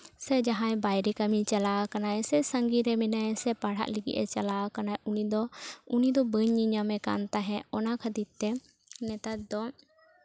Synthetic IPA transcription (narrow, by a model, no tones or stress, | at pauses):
sɛd͡ʒaɦãjbajɾɛkamit͡ʃalawakanajsɛsəŋɡiɾɛmɛnajsɛpaɽ̤a̰ʔliɡḭʔɛt͡ʃalaakanajʔunid̪ɔunid̪ɔbəɲːiɲamɛka̰nt̪aɦɛ̃ɔnakʰəd̪it̪̚t̪ɛ | nɛt̪at̪̚d̪ɔ